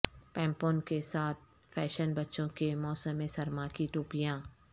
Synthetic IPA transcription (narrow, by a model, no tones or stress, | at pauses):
pɛ̃ːmpõːnkesaːt̪̚ʰ | fʰɛːʃənbɐtːʃõkemɔːsəmːẽsɐɾmakiʈuːpijãː